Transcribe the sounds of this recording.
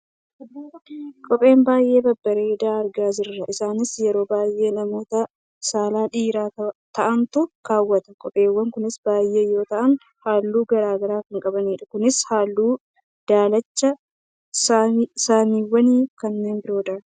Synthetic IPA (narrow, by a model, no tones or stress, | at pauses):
d̪ːoːɐkʼɔpʼe̞ːmbaːjʔe̞ːbɐbːɐɾeːd̪aːɐɾɡaːd͡ʒɪrːɐʔɪsaːnɪsjɛɾo̞ːbaːjʔe̞ːnɐmo̞ːt̪ɐ | saːlaːᶑiːɾaːt̪ɐʔɐnt̪ʊkaːwːɐt̪ɐkʼɔpʼeːwːɐŋkʊnɪsbaːjːe̞ːjːo̞ːt̪ɐʔɐn | haːlːuːɡɐɾaːɡɐɾaːkɐŋkʼɐbɐniːᶑɐkʊnɪshaːlːuː | d̪̥aːlɐt͡ʃːɐ | sasaːmiːwːɐniːfkɐnːe̞ːnbɪɾo̞ːd̪ɐ